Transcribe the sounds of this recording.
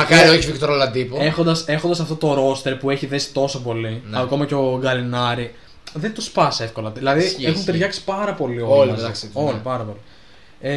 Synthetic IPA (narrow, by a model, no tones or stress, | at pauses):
mɐkɐɾioçivit̪oɾolɐnd̪ipuexo̞nd̪ɐse̞xo̞nd̪ɐsɐft̪ot̪o̞ɾo̞st̪e̞ɾpue̞çiðe̞si̥t̪o̞sopo̞linɐko̞mɐce̞o̞ɡɐlinɐɾi | ðet̪uspɐse̞fko̞lɐðilɐðiexunt̪eɾʝɐksi̥pɐɾɐpo̞lioolɐzɐkso̞lipɐɾɐpo̞li